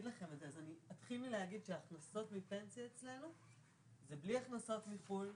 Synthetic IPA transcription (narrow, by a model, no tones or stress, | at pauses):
d̪laχe̞metzeazaniat̪χilːilehaɡid̪ʃeaχnaso̞tmipe̞nt͡sijaet͡sle̞nu | zebliaχnaso̞tmiful